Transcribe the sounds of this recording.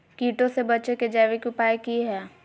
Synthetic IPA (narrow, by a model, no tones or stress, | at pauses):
kiːʈõsebɐtːt͡ʃeked͡ʒɛːʋikiʊpaːikiɦɛː